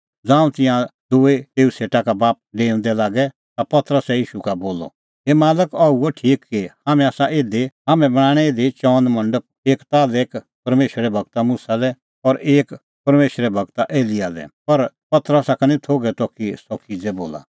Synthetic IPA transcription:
d͡zãːũt̪ɪ̃jãd̪uet̪eːuseːʈakabaːp̚ɖeːʊ̃nd̪ɛlaːɡɛ | t̪apɐt̪ɾəsɛjiːʃukaboːlɔ̰ | ɦeːmaːləkɐuoʈʰiːkːihaːmɛ̃aːsaʔeːd̪eɦaːmɛ̃bɐɽ̃aːɽ̃ɛed̪et͡ʃɔːnd̪mɐ̃ɳɖəp̚eːkt̪aːleːk | pɐɾmeːʃɾɛbʱɐɡ̚t̪amusalɛ | ɔɾeːk | pɐɾmeːʃɾɛbʱɐɡt̪aʔeːliaːlɛ̰pɐɾ | pɐt̪əɾəsakanĩt̪ʰoːɡɛt̪ɔkisɔkʰid͡zɛbo̰ːla̰

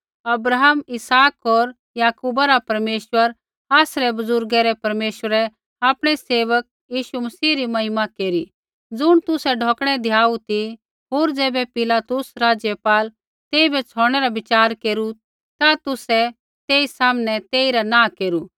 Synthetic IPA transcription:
ɐbɾaːɦmɪsaːkɦoːɾ | jaːkuːbaɾapɐɾmeːʃwəɾ | aːsɾɛbʊzʊɾɡɛɾɛpɐɾmeːʃwəɾɛ | aːpɽ̃ɛseːʋək̚jiːʃumɐsiːɾimɐɦɪmakeːɾi | d͡zʊɽ̃t̪ʊsɛɖʱɔːkɽ̃ɛd̪ʱjaːut̪i | ɦoːɾd͡zɛːbɛpɪlaːt̪ʊsɾaːd͡ʒjəpaːl | t̪eːibɛt͡sʰɔːɽ̃ɛɾabɪt͡ʃaːɾkeːɾu | t̪at̪ʊsɛ | t̪eːisaːmnɛt̪eːiɾanãːkeːɾu

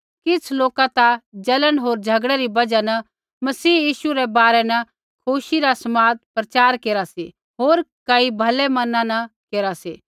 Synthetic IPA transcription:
kɪt͡sʰloːkãt̪ad͡ʒɐləɽ̃ɦoːɾd͡ʒʱɐɡɽɛɾibɐd͡ʒanɐ | mɐsiːjiːʃuɾɛbaːɾɛnɐ | kʰuʃiɾasɐmaːt̪̚pɾɐt͡ʃaːɾkeːɾasi | ɦoːɾkɐibʱɐlɛmɐnãnɐkeːɾasiː

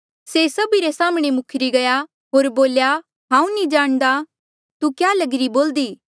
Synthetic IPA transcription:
sesɐbiɾesaːmɽ̃emʊkʰɾiɡɐja | ɦoːɾboːlja | ɦãːũnĩd͡ʒaːɽ̃d̪a | t̪ukjaːlɐɡɾiboːld̪iː

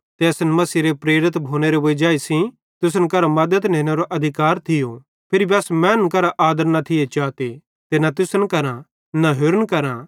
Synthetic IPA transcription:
t̪eɐsnmɐsiɾepɾeːɾɪt̪bʱoːñeɾeboid͡ʒaːisĩ | t̪ʊs̬ənkɐɾamɐd̪ət̪nẽːñeɾoʔɐd̪ʱɪkaːɾt̪ʰɪjo | pʰɪɾibiɐsmɛ̃ːnkɐɾaʔaːd̪əɾnat̪ʰɪet͡ʃaːt̪e | t̪enat̪̬ʊsənkɐɾã | naɦʊːɾənkɐɾã

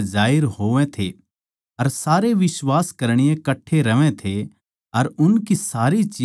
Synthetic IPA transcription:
d͡ʒaːɪɾɦoːʋẽt̪ʰḛ | ɐɾsaːɾeʋɪswaːskɐɾɽ̃ɪjẽkɐʈʰːeɾɐʋẽt̪ʰe | ɐɾʊnkisaːɾit͡ʃiː

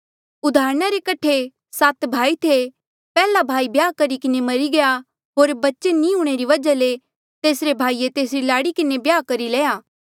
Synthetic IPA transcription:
ʊd̪ʱaːɾɽ̃aɾekɐʈʰe | sat̪bʱaːit̪ʰe | pɛːlabʱaːibjaːkɐɾikɪnemɐɾiɡɐja | ɦoːɾbɐtːʃenĩɦuːɽ̃eɾiʋɐd͡ʒale | t̪eːsɾebʱaːiet̪eːsɾilaːɽikɪnebjaːkɐɾileːaː

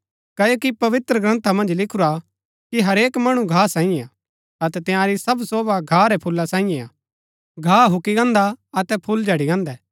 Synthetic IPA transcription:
kɐjokipɐʋɪt̪ɾəɡɾɐ̃nt̪ʰamɐ̃nd͡ʒlɪkʰʊɾa | kiɦɐɾeːkmɐɽ̃uɡʱaːsãːĩea | ɐt̪ɛt̪ɪjãːɾisɐbsoːbaɡʱaːɾɛpʰʊlːasãːĩjɛ̃a̰ː | ɡʱaːɦʊkiɡɐ̃ːnd̪aɐt̪ɛpʰʊld͡ʒʱɐɽiɡɐ̃ːnd̪ɛː

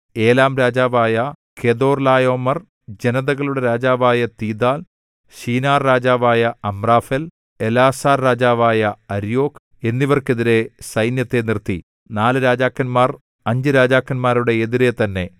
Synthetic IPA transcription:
e̞ːlaːmɾaːd͡ʑaːʋaːjɐ | kʰeðo̞ːrlaːjo̞ːmɐr | d͡ʑe̞nɐðɐɣɐɭuɽe̞ɾaːd͡ʑaːʋaːjɐt̪iːd̪aːl | ɕiːnaːrːaːd͡ʑaːʋaːjɐɐmraːfel | elaːsaːrɾaːd͡ʑaːʋaːjɐɐɾjo̞ːk | e̞nːiʋɐrke̞ðiɾe̞sɐjnjɐt̪ːe̞nirt̪i | naːlɨɾaːd͡ʑaːkːɐnmaːr | ɐɲd͡ʑɨɾaːd͡ʑaːkːɐnmaːɾuɽe̞eðiɾet̪ɐnːe̞

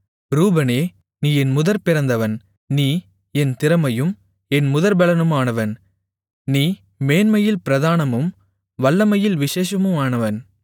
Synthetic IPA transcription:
ɾuːbɐneː | niːɛnmʊðɐɾpɪɾɐnd̪ɐʋɐn | niː | ɛnt̪ɪɾɐmɐjɯm | ɛnmʊðɐɾbɐɭɐnɯmaːnɐʋɐn | niː | meːnmɐjɪlpɪɾɐðaːnɐmɯm | ʋɐɭːɐmɐjɪlʋɪʂeːʂɐmɯmaːnɐʋɐn

